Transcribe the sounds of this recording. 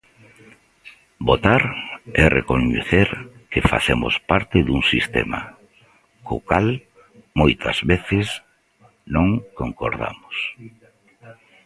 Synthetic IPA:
bot̪aɾɛrḛkoɲeθeɾkefa̰θemʊ̰spaɾt̪ɪðuŋsist̪ɛ̰ma̰ | kokal | mojt̪ʰɐ̰z̥βeθɪs | nõŋkoŋkoɾða̰mʊs

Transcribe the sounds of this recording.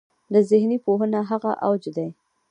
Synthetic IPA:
d̪əzɪhnipoɦənaɦaɣaʔawd͡ʒd̪aj

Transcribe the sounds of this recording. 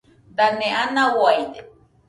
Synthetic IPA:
d̪anẽʔanãwajd̪e

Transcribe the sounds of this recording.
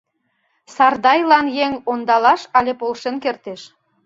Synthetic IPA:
sɑrd̪ɑjlɑnjeŋond̪ɑlɑʃɑlʲepolʃenkert̪eʃ

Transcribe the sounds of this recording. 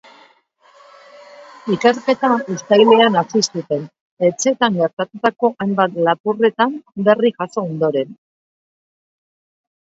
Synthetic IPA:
ikeɾke̞t̪aust̪ajleanasist̪ut̪e̞n | e̞t͡se̞t̪aŋɡe̞ɾt̪at̪ut̪ako̞ʔajmbat̪lapure̞t̪ambe̞rikaso̞ːnd̪o̞ɾe̞n

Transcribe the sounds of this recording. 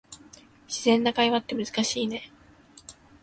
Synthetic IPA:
ɕizẽ̞nːakaiβat̪ːe̞mɯ̟zɨ̥kaɕiːne̞

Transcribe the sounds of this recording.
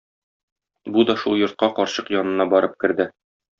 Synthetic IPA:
bud̪ɒʃulˠjŏɾt̪̚qɑqɒɾɕɤqjɒnɤ̆nɑbɒɾɤp̚kɘ̆ɾd̪ɘ

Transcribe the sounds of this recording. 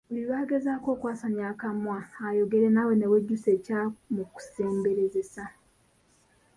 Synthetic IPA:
uliβaːɡe̞zaːko̞ːkwaːsaɲakamwaːjo̞ɡe̞ɾenawe̞neweɟːusecamuku̥se̞ːmbe̞ɾeze̞sa

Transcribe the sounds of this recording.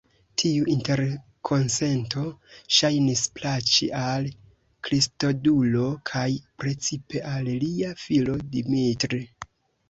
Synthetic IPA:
tʰiuʔinte̞ɾ | kʰo̞nse̞nto̞ʃajnisplat͡ʃḭʔal | kɾisto̞dulo̞kʰajpɾe̞t͡sipe̞ʔalliafilo̞dimitɾi

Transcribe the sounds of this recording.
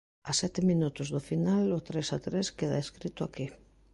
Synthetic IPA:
asɛt̪emĩnut̪ozðofinalot̪ɾesat̪ɾeskeðaeskɾit̪oaki

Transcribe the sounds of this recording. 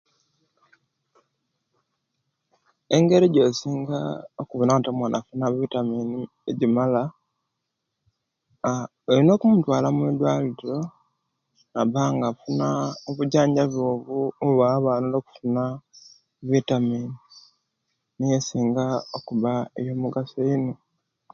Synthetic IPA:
e̞ŋɡe̞ɾeɟosiːŋɡaokuβunaatamwanʔafunaβitamiːni | eɟimala | elino̞ːkumutwaːlamwid̪waliɾo̞ | naβaŋɡafunaoβuɟaːɲɟaβoːβuːβaːβaːnuloku̥funa | βitamiːni | nijesiːŋɡaokuβaejo̞muɡasoino

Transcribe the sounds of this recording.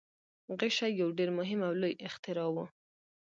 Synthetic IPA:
ɣɪʃajawɖeɾmʊɦɪmawlojɪxt̪ɪɾɑwu

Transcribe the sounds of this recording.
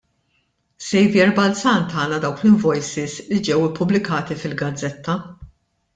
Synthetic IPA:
sɛjvjɛɾbɐlt͡sɐnt̪ɐːnɐd̪ɐwklɪɱvɔjsɪslid͡ʒɛwɪpːʊblɪkɐːt̪ifɪlɡɐd͡zːɛt̪ʰːɐ

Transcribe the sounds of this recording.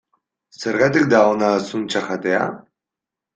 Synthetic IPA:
seɾɣat̪ik̚d̪aonasunt͡ʃaχat̪ea̰

